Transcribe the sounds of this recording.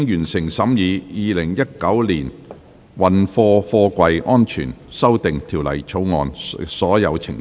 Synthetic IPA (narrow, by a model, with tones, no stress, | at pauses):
ŋjyː˨˩nsɪ˨˩ŋsɐ˨˥mjiː˨˧jiː˨˧lɪ˨˩ŋjɐ˥t̚kɐ˨˥wliː˨˩n | wɐ˨nfɔː˧fɔː˧kʷɐ˧jʔɔː˥nt͡ʃʰy̰ː˨˩nsɐ˥wt̪ɪ˨ŋt̪ʰiː˨˩wlɐ̰˨˩jt͡ʃʰo˨˥wŋɔ̰ː˧nsɔː˨˥jɐ̰˨˧wt͡sʰɪ˨ŋ